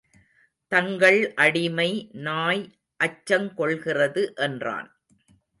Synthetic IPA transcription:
t̪ɐŋɡɐɭʔɐɽɪmɐɪnaːj | ʔɐt͡ʃːɐmkɔɭɣɪrɐðɯʔɛndra̰ːn

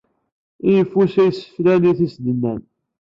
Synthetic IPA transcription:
ijəfːusæjsə̥flæniθisd̪ənːæn

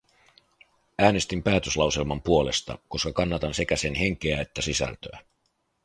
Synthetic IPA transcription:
æːne̞st̪impæːt̪øslɑwse̞lmɑmpuo̞le̞̰st̪ɑ̰ko̞skɑkɑnːɑt̪ɑnse̞kæsenɦeŋk̟e̞æe̞t̪ːæsisæ̰lt̪øæ

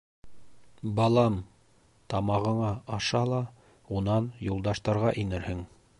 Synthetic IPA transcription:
bɑlˠɑm | t̪ɑmɑʁɤ̆ɴɑɑʃɑlˠɑ | unɑnjulˠd̪ɑʃt̪ɑɾʁɑʔinɘɾhɘŋ

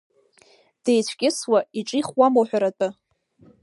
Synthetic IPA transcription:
d̥ejt͡ɕʷʰkʲʼɪswaiʈ͡ʂʼiχwamoħʷᶣaɾatʼɨ

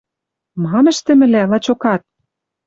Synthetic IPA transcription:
mɑmɘ̆ʃt̪ɘ̆mɘ̆lælɑt͡ɕokɑt̪̚

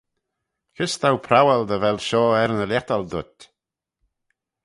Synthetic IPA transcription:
kʰɪst̪ʰawpʰɾawɛld̪əvɛlʃɔːɛɾnəljat̪ald̪ʊt̪

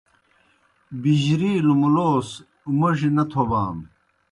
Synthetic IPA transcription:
biʑɾiːlumuloːs | mɐʐinɐt̪ʰoba̰ːm

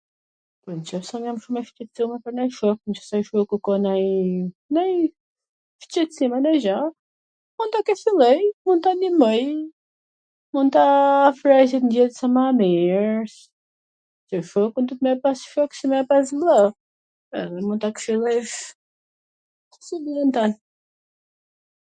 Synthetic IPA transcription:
pɔɾnt͡ʃɔfsɔmjamʃumɛft͡ʃɛt̪simɛpəɾnajʃɔknt͡ʃɔsajʃɔkukɔnajnaj | ft͡ʃɛsimanajʒa | munt̪akɛfilˠɛjmun̚t̪animɔj | mund̪̚t̪afɾasɛt̪nd̪ɛt̪samamɛɾs | t͡ʃəʃɔkund̪ɔt̪mɛpasʃɔksimɛpas̬blˠa | ɛ̰ðɛmund̪t̪akʃilˠɛj | siblˠɛnt̪an

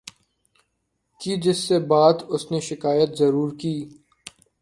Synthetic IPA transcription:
kid͡ʒɪsːebaːd̪ʊsneʃɪkaːjət̪zɐɾuːɾkiː

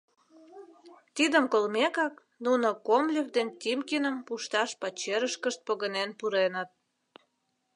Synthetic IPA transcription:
t̪id̪əmkolmekɑk | nunokomlʲekd̪ent̪ʲimkinəmpuʃt̪ɑʃpɑt͡ɕeɾəʃkəʃt̪̚poɣənenpuɾenət̪̚

